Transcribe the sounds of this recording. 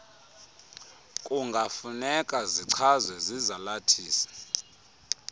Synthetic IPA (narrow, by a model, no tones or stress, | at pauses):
kʼuŋɡʱafunɛkʼaziǀʰazwɛzizalatʰiːsḁ